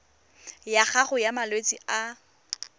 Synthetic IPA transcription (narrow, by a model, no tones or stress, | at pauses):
jaχaχʊjamalwet͡sʼia